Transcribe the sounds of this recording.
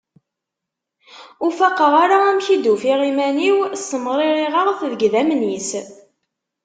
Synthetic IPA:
ʊfaqːəʁaɾaæmçid̪ufiʁimæniwsəmɾˤiʁiʁəʁθðəɡðæmnis

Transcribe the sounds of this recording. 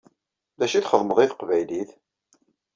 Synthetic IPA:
ðæʃiθχəðˤməðˤiθqvæjliθ

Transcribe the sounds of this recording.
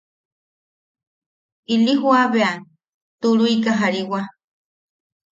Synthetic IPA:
iliɦwaβean | t̪uɾuikaɦaɾiwa

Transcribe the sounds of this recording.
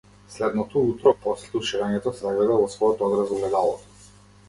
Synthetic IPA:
slɛd̪nɔt̪ɔut̪ɾɔpɔslɛuʃiɾaɲɛt̪ɔsɛzaɡlɛd̪avɔsvɔjɔt̪ɔɔd̪ɾazɔblɛd̪alˠɔt̪ɔ̥

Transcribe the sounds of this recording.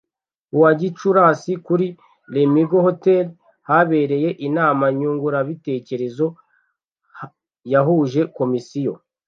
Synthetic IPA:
uwaɟit͡ʃuɾaːsikuɾi | lemiɡoho̞tel | haβe̞ːɾe̞je̞ʔinaːmaɲuːŋɡuɾaβite̞ːce̞ɾe̞zo̞ | h | jaɦuːʒe̞ko̞misijo̞

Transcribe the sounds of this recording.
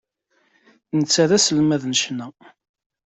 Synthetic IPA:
nət͡sːæðæsəlmæðnəʃnæ

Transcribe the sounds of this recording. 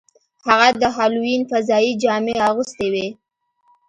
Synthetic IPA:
haɣad̪əɦɑluinfazɑid͡ʒɑmeaɣust̪ewe

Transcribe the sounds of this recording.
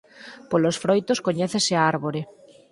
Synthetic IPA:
polosfɾojt̪oskoɲeθeseaaɾβoɾe

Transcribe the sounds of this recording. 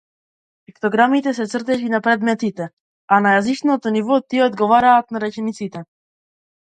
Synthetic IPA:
ɛkt̪ɔɡɾamit̪ɛs̬ɛt̪sr̩t̪ɛʃinapɾɛd̪mɛt̪it̪ɛ | anajazit͡ʃnot̪ɔnivɔt̪iɛɔd̪ɡɔvaɾaːt̪naɾɛt͡ʃɛnit̪sit̪ɛ

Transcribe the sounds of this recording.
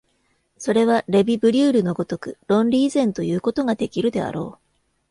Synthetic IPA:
so̞ɾe̞β̞aɾe̞bʲibɯ̟ɾʲɨːɾɯ̟no̞ɡo̞t̪o̞kɯ̟ɾõ̞nɾʲiːzẽ̞nt̪o̞jɯ̟ːko̞t̪o̞ŋad̪e̞kʲiɾɯ̟d̪e̞a̰ɾo̞ː

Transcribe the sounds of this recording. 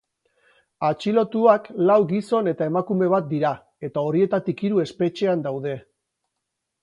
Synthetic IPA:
at͡ʃilo̞t̪uaklawɡiso̞ne̞t̪ae̞makume̞β̞at̪̚d̪iɾa | e̞t̪ao̞ɾie̞t̪at̪ikiɾue̞spe̞t͡ʃe̞and̪awðe̞

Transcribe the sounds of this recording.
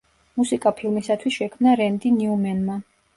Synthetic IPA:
musikʼapʰilˠmisat̪ʰwisʃɛkʰmnaɾɛnd̪iniumɛnma

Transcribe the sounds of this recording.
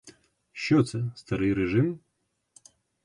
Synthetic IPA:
ʃt͡ʃɔt̪sɛst̪ɐɾɨjɾɛʐɪm

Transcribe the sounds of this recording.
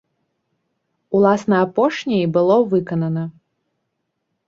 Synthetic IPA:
ulˠasnɐapɔʂnʲɐjibɨlˠɔvɨkɐnɐnɐ

